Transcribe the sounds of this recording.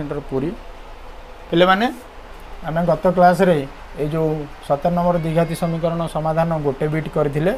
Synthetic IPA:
eɳʈɔɾpuɾi | kilemane | ameɡɔt̪ɔklas̬ɔɾe | ed͡ʒousɔt̪anɔmɔɾɔd̪iɡʱat̪isɔmikɔɾɔɽ̃ɔsɔmad̪ʱanɔɡoʈebiʈkɔɾit̪ʰile

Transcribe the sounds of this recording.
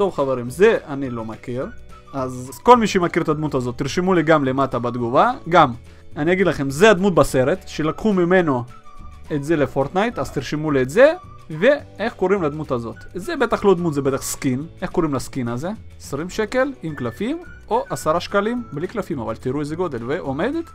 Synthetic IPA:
t̪o̞vχaveɾimze̞anilo̞makiʁ | azko̞lmiʃemakiɾet̪ad̪mut̪azo̞t̪ːiʁʃemuliɡamlemat̪abad̪ɡuvaɡam | anijaɡid̪laχe̞mzead̪mut̪̚base̞ʁe̞t̪ʃelakχumime̞no̞ | et̪ze̞le̞foɾt̪najt̪az̥t̪iʁʃemuliet̪ze̞ | ve̞e̞χko̞ʁimlad̪mut̪azo̞t̪zebe̞t̪aχlo̞d̪mut̪zebe̞t̪aχskine̞χko̞ʁimlaskinaze̞esʁimʃeke̞limklafim | o̞ʔasaʁaʃkalimbliklafimavalt̪iʁuezeɡo̞d̪e̞lveʔome̞d̪et̪

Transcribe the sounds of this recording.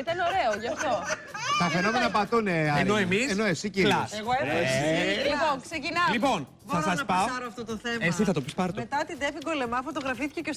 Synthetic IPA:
it̪ɐnoɾeoʝɐft̪o̞ | t̪ɐfe̞no̞menɐpɐt̪uneɐeɾnoemisenoesicilɐseɣoe | lipoksecinɐlipo̞n | θɐsɐspɐoɐɾoɐft̪ot̪oθemesiθɐt̪opispɐɾt̪met̪ɐt̪id̪efiɡo̞le̞mɐfo̞t̪o̞ɣɾɐfisθi̥ceces

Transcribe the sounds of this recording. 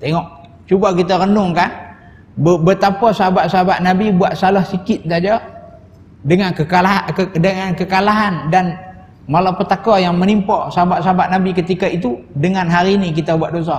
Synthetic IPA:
t̪eŋɔʔ̚ | t͡ʃubakit̪aɾəndʊŋkan | bəbət̪apɔsəɦabaʔ̪səɦabaʔ̪̚nabibuaʔ̪̚salɔhsikɪt̪̚sad͡ʒa | dəŋanəaladəŋankəkalaɦandan | malapət̪akɔjaŋmənimpɔsaɦabaʔ̪̚saɦabaʔ̪̚nabikət̪ikait̪udəŋanɦaɾinikit̪abuaʔ̚dos̬a

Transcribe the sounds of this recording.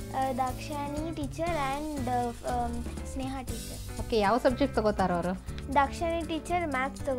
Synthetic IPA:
d̪akʂaniʈiːt͡ɕəɾɛ̃ɳɖ | sneɦaʈit͡ɕəɾokejaʋsəb̚d͡ʑek̚t̪əɡot̪aɾəʋəɾəd̪akʂañiʈiːt͡ɕəɾmæpt̪əɡ

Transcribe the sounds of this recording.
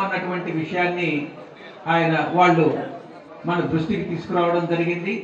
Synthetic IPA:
unːɐʈuʋɐɳʈiʋiʂɐjaːnːi | aːjɐnɐʋaːɭːu | mɐnɐd̪ɾuʂʈinit̪iːsu̥kuɾaːʋɐɽɐmd͡ʒɐɾiɡind̪i

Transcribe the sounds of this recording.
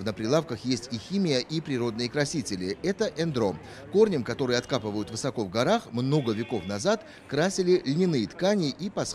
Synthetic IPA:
vnəpɾʲɪlˠafkəxjesʲtʲixʲimʲɪjəʔipɾʲɪɾo̞d̪nɨjəkɾɐsʲitʲɪlʲɪɛt̪əʔɛnd̪ɾo̞m | ko̞rnʲəmkɐt̪o̞ɾɨjɐt̪kapɨvəjʊt̪vɨsɐko̞vɡɐɾaxmno̞ɡəvʲɪko̞fnɐzat̪ | kɾasʲɪlʲɪlʲnʲɪnɨjət̪kanʲɪʔipɐs

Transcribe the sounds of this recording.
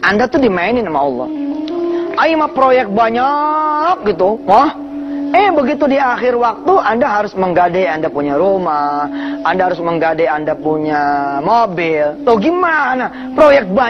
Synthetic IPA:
ʔandat̪udimaɪnɪnamaɔlːɔ̰h | ʔaimapɾojɛk̚t̪̚baɲak̚ɡit̪uwah | ɛhbəɡit̪udiaxɪrwak̚t̪uʔandaɦaɾʊsməŋɡadɛandapuɲaɾomaandaɦaɾʊsməŋɡadɛandapuɲamobɪlt̪ɔhɡimana | pɾojɛk̚t̪̚ba

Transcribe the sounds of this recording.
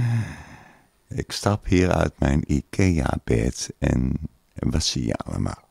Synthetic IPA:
ɪkstɑphiːɹœ̰ɥt̚mɛjnikʰeːaːb̥ɛtɛn | ʋɑsijaaləmʔalˠ

